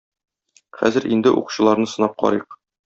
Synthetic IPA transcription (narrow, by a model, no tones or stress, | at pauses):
χæ̰zɘɾʔind̪ɘʔṵqu̥ɕɤ̆lˠɑɾnɤsɤ̆nɑp̚qɒ̰ɾiq̚